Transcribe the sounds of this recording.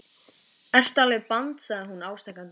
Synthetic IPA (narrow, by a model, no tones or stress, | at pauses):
ɛr̥t̪alɛɪpant̪sɛðɦunaːwst̪ɛhkant̪